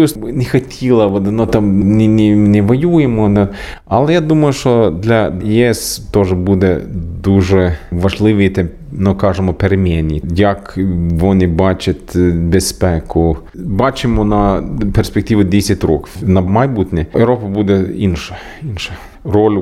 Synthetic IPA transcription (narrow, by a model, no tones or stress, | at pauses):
usnʲɛxɐtʲʰilˠɐʋɔd̪ɪnɔt̪ɑmnʲɪnʲɪnʲɛʋɐjujemɔnɛ | ɐlˠɛjad̪umɐjʊʃɔd̪lʲɐjiɛst̪ɔʐɛbud̪ɛd̪uʐɛʋɐʒlˠɪʋijt̪ɛ | nʊkɑʒɪmɔpeɾemʲɛnʲiijɐkʋɔnʲɪbɑt͡ʃʲɐt̪ʲbʲespɛkʊ | bɑt͡ʃɪmɔnɐpersʲpʲek̚t̪ʲiʋʊdʲesʲɐtʲɾɔknɐmɐjbut̪ʲnʲɛeɾɔpɐbud̪ɛinʃɛ̥ | inʃɛ | rɔlʲ